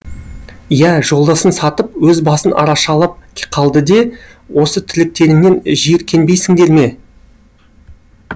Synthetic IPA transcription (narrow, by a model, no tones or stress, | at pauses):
jæʒo̞lˠd̪ɑsənsɑt̪əp̚wɵzbɑsənʔɑ̰ɾɑʃɑlˠəp̚ʲqʰɑlˠd̪əd̪e̞ | wo̞sət̪ʰɪlɪk̚t̪e̞ɾɪne̞nʒijɪɾkʲʰe̞nbe̞jsɪŋd̪e̞ɾme̞